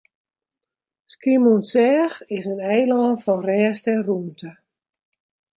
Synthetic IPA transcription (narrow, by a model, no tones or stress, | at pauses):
skimunsɛːxɪsənɛjlɔːnfɔnrɛːstɛnruntə